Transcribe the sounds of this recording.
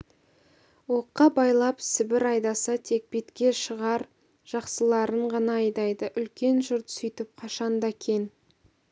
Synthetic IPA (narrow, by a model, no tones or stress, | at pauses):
wo̞qːɑbɑjlˠɑpsɪbɪɾɑjd̪ɑsɑt̪ʰe̞k̚bet̪kʲe̞ʃəʁɑɾ | ʒ̥ɑqsəlˠɑɾəɴʁɑnɑːjd̪ɑjd̪əʔʏlkʲe̞nʒʊɾt̪sʏjt̪ɪp̚qʰɑʃɑnd̪ɑkʲʰe̞n